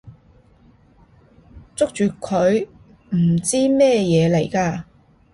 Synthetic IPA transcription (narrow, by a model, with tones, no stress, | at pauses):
t͡sʊ˥k̚t͡ʃyː˨kʰɵ˨˧ɥ | m̩˨˩t͡siː˥mɛː˥jɛː˨˧le˨˩jkaː˧